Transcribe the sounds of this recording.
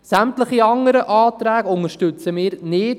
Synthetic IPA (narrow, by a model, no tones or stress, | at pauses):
sæmtləχiɑŋəɾəʔɑːt̪ɾæːɡʊŋəɾʃtʉt͡səmɪːɾnɪt